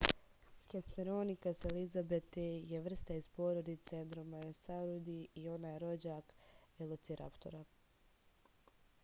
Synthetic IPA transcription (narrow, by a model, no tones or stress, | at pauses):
kesmeɾonikaselizabet̪ejeʋr̩st̪aizpoːɾod̪it̪send̪ɾomajosaɾod̪iio̞naːjeɾo̞d͡ʑaːkelˠut̪siɾʔa̰pt̪oɾa